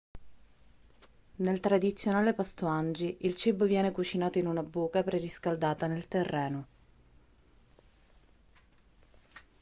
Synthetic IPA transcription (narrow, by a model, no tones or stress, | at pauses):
nelt̪ɾad̪it̪sːjonaːlepast̪uand͡ʒiʔilt͡ʃibːovjɛːnekut͡ʃinaːt̪oinunabuːkapɾeriskald̪aːt̪anelt̪erːɛːno